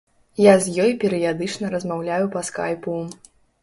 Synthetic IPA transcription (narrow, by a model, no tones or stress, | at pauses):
jazʲjɔjpʲɛɾɨjad̪ɨt͡ʂnɐɾɐzmawlʲajupɐska̰jpu